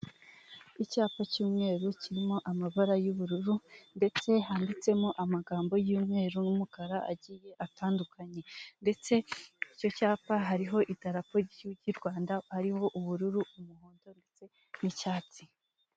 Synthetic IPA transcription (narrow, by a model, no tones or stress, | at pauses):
icaːpacuːmŋe̞ːɾuciɾimo̞ʔamaβaɾajuβuɾuɾunde̞t͡se̞ɦaːndit͡se̞moʔamaɡaːmbo̞juːmŋe̞ːɾunumukaɾaʔa̰ɟiːje̞ʔataːndukʰaɲe̞nde̞t͡se̞ico̞caːpaɦaɾiɦo̞ʔitaɾapo̞ɾɟiɟiɾɡwaːndahaɾiho̞ʔuβuɾuɾuumuhoːndo̞nde̞t͡se̞ | nicaːt͡si̥